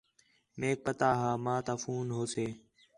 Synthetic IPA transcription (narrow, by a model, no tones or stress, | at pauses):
meːk̚pət̪aːɦãːmãːt̪aːfuːnɦoːseː